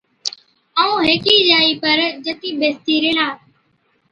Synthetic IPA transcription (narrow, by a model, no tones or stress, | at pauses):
əũːɦeːkiːd͡ʒaːiːpəɾd͡ʒət̪iːɓeːst̪iːɾeːnaː